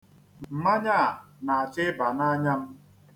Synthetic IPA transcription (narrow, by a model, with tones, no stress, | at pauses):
m̩˨ma˦ɲa˦˨a˨na˨a˨t͡ʃɪ˦ba˨na˦ɲa˦m̩˦